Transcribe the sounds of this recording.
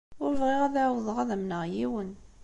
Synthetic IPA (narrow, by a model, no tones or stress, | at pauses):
ʊɾvʁiʁæðawəðˤəʁæðæmnəʁjiwən